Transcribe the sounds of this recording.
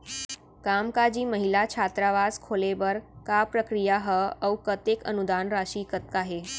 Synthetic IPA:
kamkad͡ʑiːməɦilat͡ɕʰat̪ɾaʋazkʰoleʋəɾkapɾəkɾijaɦəəwkət̪ekənud̪anɾaɕiːkət̪̚kaɦe

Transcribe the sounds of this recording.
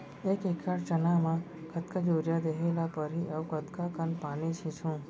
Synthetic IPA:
ekekʰːaɾt͡ʃənamã | kʰət̪kad͡ʒoɾjad̪eɦelapəɾiʔəwkət̪kakənpanit͡ʃʰĩt͡ʃʰũ

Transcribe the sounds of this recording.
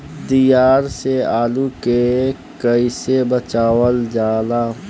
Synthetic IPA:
d̪ijaːɾseaːluke | kəɪsebət͡ʃaːwəld͡ʒaːlaː

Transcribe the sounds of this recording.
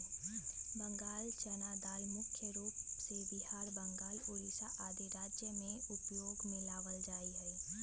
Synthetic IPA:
bə̃ŋɡaːlt͡ʃənaːd̪aːlmʊkʰjəɾuːpsebɪɦaːɾbə̃ŋɡaːlʊɾisaʔaːd̪ʱiɾaːd͡ʒjəmẽʊpjoːɡmɪlaːʋəld͡ʒaːiɦɛː

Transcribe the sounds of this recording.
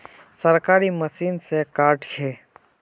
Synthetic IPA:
səɾkaːɾiməsiːnsekaːɾʈt͡ʃʰeː

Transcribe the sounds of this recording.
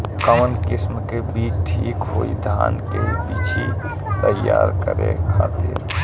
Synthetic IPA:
kəmənkɪsmkebiːt͡ʃʈʰiːkɦoːid̪ʱaːnkepiːt͡ʃʰi | t̪əjːaːɾkəɾekʰaːt̪ɪɾ

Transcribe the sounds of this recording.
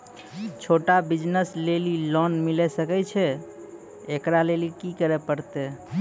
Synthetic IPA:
t͡ʃʰoʈabid͡ʒnəslelilɔnmilɛsəkɛt͡ʃʰɛ | ekɾalelikikəɾɛpəɾt̪e

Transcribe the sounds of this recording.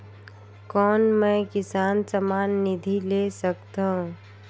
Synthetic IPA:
kɔːnmẽkɪsaːnsəmaːnːid̪ʱilesəkt̪ãɦ

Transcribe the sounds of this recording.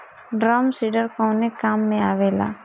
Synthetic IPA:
ɖɾamsiɖəɾkɔ̃nekaːmːẽaːʋeːla̰ː

